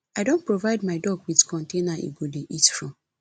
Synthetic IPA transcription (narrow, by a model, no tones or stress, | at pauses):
aɪdõnt̚pɹovaɪdmaɪdɔɡwiðkʰɔ̃ntenaḛɡodeʔitfɹɔ̃m